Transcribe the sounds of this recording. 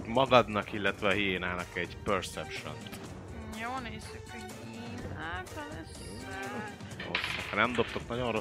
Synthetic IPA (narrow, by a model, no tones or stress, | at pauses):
mɒɡɒd̪nɒkilːɛt̪ʋɛɒɦiːnaːnɒkɛɟpørsɛpʃo̰n | joːneːsykhoɟ | iːnaːt̪ɒlɛsi | ɛ | o̰sɒknɛmd̪o̞p̚t̪oknɒɟo̞nro̞